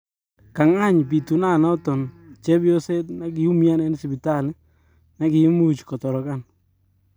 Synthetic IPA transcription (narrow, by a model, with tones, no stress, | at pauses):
ka˨ŋa˦ɲpi˨tu˨na˦˨nɔ˦tɔ˨nt͡ʃɛ˦bjo˦se˦tna˦k̬ɪ˨u˦mja˦nɛ˦n˦si˨bi˨ta˦˨lɪ˦ | na˦kɪ˨˦mu˦˨t͡ʃkɔ˨tɔ˨ɾɔ˨ka˦˨n